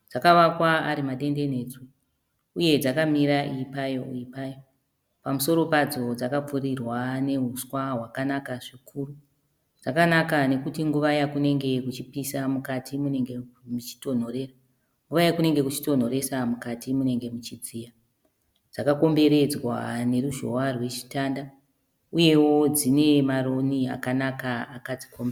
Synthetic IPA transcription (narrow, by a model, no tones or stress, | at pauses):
d͡zakaʋakwaːɾimaɗe̞nde̞ne̞d͡zuː | je̞d͡zakamiɾaʔipajo̞iipajo | pamuso̞ɾo̞pad͡zo̞d͡zakap͡furirwane̞ɦuswaɦwakanakaʐikʰuru | d͡zakanakane̞kutiŋɡuʋajakune̞ŋɡe̞kut͡ʃipisamukatʰimune̞ŋɡemut͡ʃi̥to̞n̤o̞ɾe̞ra | ŋɡuʋajakune̞ŋɡe̞kut͡ʃi̥to̞n̤o̞ɾe̞samukatimune̞ŋɡe̞mut͡ʃid͡zija | d͡zakako̞mbe̞ɾe̞d͡zwa̰ne̞ɾuʒo̰arwe̞t͡ʃi̥tanda | uje̞wo̞d͡zine̞maro̞nia̰kanakaakad͡zikʰombe